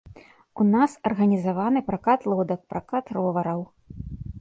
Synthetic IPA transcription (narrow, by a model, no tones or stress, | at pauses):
unasɐrɣɐnʲizavanɨpɾakat̪lˠɔd̪ɐk̚pɾakat̪rɔvɐɾɐw